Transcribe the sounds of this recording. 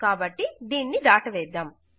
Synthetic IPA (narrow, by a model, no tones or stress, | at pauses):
kaːbɐʈːid̪iːnːid̪aːʈɐʋɛːd̪aːm